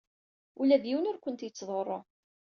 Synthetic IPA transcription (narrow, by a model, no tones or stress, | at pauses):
ulæd̪jiwnʊɾkʷənt̪jət͡sːðˤorˤːo